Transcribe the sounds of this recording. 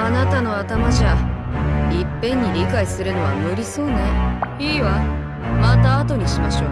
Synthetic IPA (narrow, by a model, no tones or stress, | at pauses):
anat̪ano̞at̪amaʑa | ipːẽ̞ɲ̟ːiɾʲikaisɨɾɯ̟no̞βamɯ̟ɾʲiso̞ːna | iːβa | mat̪aːt̪o̞ɲ̟iɕimaɕo̞ː